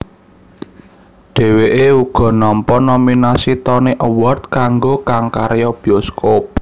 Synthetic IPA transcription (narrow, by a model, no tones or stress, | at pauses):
ɖ̥ɛ̤weʔeuɡ̥ɔ̤nɔmpɔnominasit̪ɔneʔəwɔrt̪̚kaŋɡokaŋkaɾjɔb̥iɔskop̚